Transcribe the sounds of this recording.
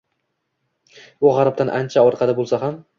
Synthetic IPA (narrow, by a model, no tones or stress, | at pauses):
ʊʁɑɾap̚t̪anʔa̰nt͡ʃʰaɒɾqʰɑlɪbolˠsaɦam